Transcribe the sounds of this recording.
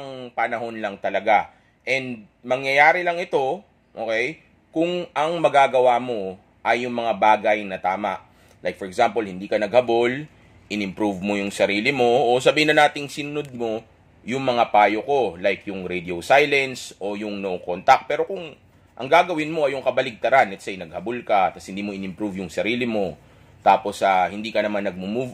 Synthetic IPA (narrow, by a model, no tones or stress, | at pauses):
ŋpɐnɐɦo̞nlɐŋt̪ɐlɐɡa | ʔɛnd̪̚ | mɐŋjɐjaːɾɪlɐŋɪt̪o̞ | ʔoːkɛj | kʊŋɐŋmɐɡaːɡɐwamo̞ | ʔɐjːʊŋmɐŋabaːɡɐjnɐt̪aːmɐ̰ʔ | lajk̚fɔɾɛɡsampolhɪnd̪iːkɐnɐɡhɐbo̞l | ʔɪnɪmpɾuvmojʊŋsɐɾiːlɪmo̞ʔosɐbiːɪnɐnaːt̪ɪŋsɪnʊnod̪̚mo̞ | jʊŋmɐŋapaːjoko̞lajkjʊŋɾɛd̪iosajlɛnsʔo̞jʊŋnoʔokont̪ɐk̚pɛːɾo̞kʊŋ | ʔɐ̰ŋɡaːɡɐwɪnmo̞ʔɐjʊŋkɐbɐlɪɡ̚t̪ɐɾanlɛt̪sɛjnɐɡ̚hɐbolkɐt̪ɐshɪnd̪iːmo̞ʔɪnɪmpɾuvjʊŋsɐɾiːlɪmo̞ | t̪aːposɐhɪnd̪iːkɐnɐmanːɐɡ̚mʊmuv